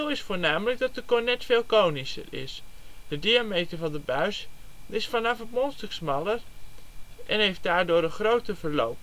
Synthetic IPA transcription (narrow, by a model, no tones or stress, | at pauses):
olɪsfoːɹnaːmələk̚dɑt̚dəkʊnɛtfɪːlˠkownisə̰rɪ̰sd̥ədiamejtəɹvɑndəbœɥsɪsfɑnɑfɦətmɔnstəksmɑlˠər | ʔɛnɦejft̚daːɹdʊːɾənχrowtəvəɹlo̰wp